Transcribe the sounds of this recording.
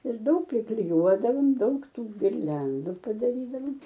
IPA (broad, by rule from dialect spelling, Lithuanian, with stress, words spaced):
ɪr ˈdɐʊk pʲrʲɪklʲɪˈjuɔdɐʋoːm ˈdɐʊk ˈtuː ɡʲɪrʲˈlʲɛndʊ pɐdɐˈrʲiːdɐʋɐm